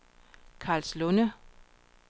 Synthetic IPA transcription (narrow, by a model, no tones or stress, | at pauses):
kʰɑ̈ːlslɔnə